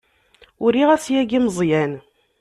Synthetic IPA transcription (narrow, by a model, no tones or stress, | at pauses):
ʊɾiʁæsjæɡiməzˤjæn